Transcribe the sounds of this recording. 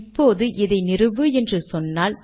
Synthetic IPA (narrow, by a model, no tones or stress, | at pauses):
pːoːðɯʔɪðɐɪnɪrɯʋɯɛndrɯsɔnːaːl